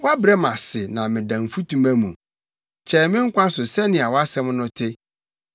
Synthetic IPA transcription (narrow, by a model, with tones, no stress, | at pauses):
wa˦bɾɛ˦mã˨sɪ˨nã˨mɪ̃˨dã˨m̩˨fu˦tũ˦mæ̃˦mũ˨ | t͡ɕʰɛ˨mɪ̃˦ŋ̩˦kʷã˦sʊ˨sɛ˦nɪ̃˨a˨wɔ˦a˦sɛ̃˦mnʊ̃˦tʰɪ˦